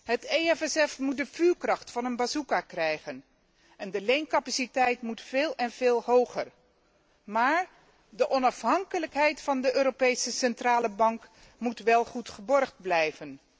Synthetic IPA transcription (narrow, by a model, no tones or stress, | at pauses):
ɦəteɛfɛsɛfmut̚dəvyːɹkrɑχtfɑnənbazukakrɛjχən | ɛndəlejnkɑpasitɛjtmutfɪːlˠɛnv̥eːlˠɦowχəɹ | maːɹ | dəʔɔnɑfɦɑŋkələkɦɛjtfɑndəʔøːɾopejsəsɛntraːləbɑŋk | mutʋɛlˠχutχəbɔrχd̚blɛjvən